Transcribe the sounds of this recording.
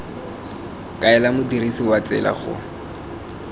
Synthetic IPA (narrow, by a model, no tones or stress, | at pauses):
kʼaɛlamʊdirisiwat͡sɛ̰la̰χʊ̰